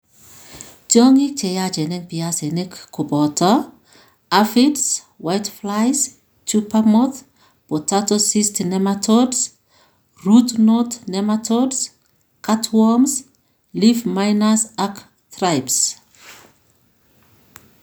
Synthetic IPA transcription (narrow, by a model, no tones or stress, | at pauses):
tɔŋik̚t͡ʃɛjad͡ʒɛnɛmpiasenekkːubɔtʰa | afits | wajtflajs | t͡ʃupamɔθ | potatosistnɛmatʰɔds | rutnɔtnɛmatʰɔds | katʰwɔms | lifmajnasak | trajps